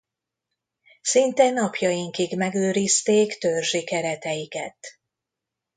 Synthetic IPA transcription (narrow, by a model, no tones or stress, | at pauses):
sint̪ɛnɒpjɒjiŋkiɡmɛɡøːɾist̪eːkt̪ørʒikɛɾɛt̪ɛjikɛt̪